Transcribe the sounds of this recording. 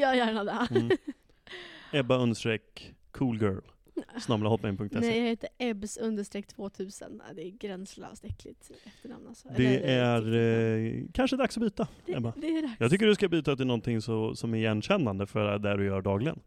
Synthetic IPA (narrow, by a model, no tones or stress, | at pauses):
jɑːjæːɳad̪ɛ | ɛbːaɵnd̪sʂʈɾɛkʰː | uːlɡœ̰ːl | snamlahɔlmɛɪnpʰɵŋkt̪ɛnsɛjahɪnt̪əʔɛbsɵnd̪əʂt̪ɾeːk̚t̪ʰv̥oːt̪ʰʉ̟ːsə̰n̰d̪ɛːɡɾɛnslɑ̰vst̪ɛkʰlɪt̪ɛft̪əɳa̰mnalsɔd̪ɛæɾ | kʰanʂəɛd̪aksɔbyːt̪aɛbad̪jɑːɡt̪ʰʏkːəɖɵskabyːt̪at̪̚ɛːnɔnt̪ʰɪŋsɔsɔmæɾjɛnɕɛnːand̪əfœɾd̪æɖɵjœːɖɑːɡlɪɡə̰n